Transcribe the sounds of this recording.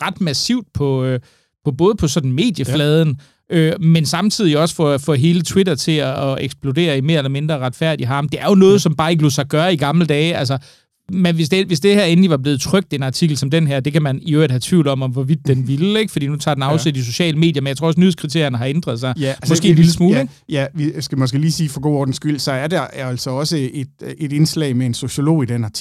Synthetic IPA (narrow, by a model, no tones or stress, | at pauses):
ʁɑ̈d̥mæsiʊ̰d̥pʰɒ̽ | pʰɒ̽b̥ɔ̽ːð̞̩ˠpʰɒ̽sɒ̽d̥n̩me̝̰ːd̥jəflɛːð̞ˠn̩ | ʔømensɑ̈mt͡sʰið̰ˠiɒ̽sfɒfɔɦe̝ːlət͡sʰwidɐt͡sʰe̝lɒːeɡ̥sb̥lo̝de̝̰ːɐime̝ːɐelɐme̝nd̥ʁɐʁɑ̈d̥fæɐ̰d̥iɦɑ̈md̥e̝æɐjo̝nɔ̽ːð̞̩ˠsɒ̽mb̥ɑ̈ːe̝ɡ̥əlosɑ̈ɪɡ̥ɶːɐiɡ̥ɑ̈mləd̥ɛːæls̬ɐ | menʋesd̥eʋe̝sd̥e̝hæɐenliʋɑ̈ble̝ːð̩ˠt͡sʰʁœɡ̥̚d̥e̝nɑ̈t͡sʰiɡ̥l̩sɒ̽md̥enɦæɐ̰d̥e̝kʰæmæniøɐ̰id̥hæt͡sʰʋḭʊlɒ̽mɒ̽mʋɒʋid̥ːenʋiləeɡ̥fɒd̥ḭːnut͡sʰɑ̈ːdenɑ̈ʊsed̥is̬o̝ɕɛ̰ːləme̝̰ːd̥jɐmenjt͡sʰʁo̰ːɒ̽nyðð̩ˠskʰʁit͡sʰe̝ɐ̰jɐnəɦɑ̈end̥ʁɐðˠsɑ̈ɪmɒssɡ̥e̝̰ːnliləsmuːleŋ | jæʋisɡ̥æmɒsɡ̥eliːsiːfɒɡ̥o̝ɒːd̥n̩sɡ̥yl̰sɒ̽æɐd̥ɑææl̰sɒɒ̽səed̥e̝d̥e̝nslɛ̰ɪmeenso̝ɕo̝lo̝̰ːid̥enɑ̈t͡sʰ